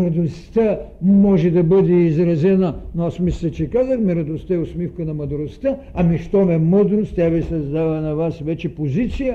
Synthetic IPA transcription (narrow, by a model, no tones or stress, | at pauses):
ɾɐd̪ost̪əmɔʒɛd̪ɐbɤd̪ɛizɾɐzɛnɐnoasmislʲɐt͡ʃɛkazəxmiɾɐd̪ost̪əɛʊsmifkənɐmɐd̪ɾost̪ə | ɐmiʃt̪ɔmɛməd̪ɾost̪ʲjavisɐzd̪avɐnɐvasvɛt͡ʃɛpozit̪sijə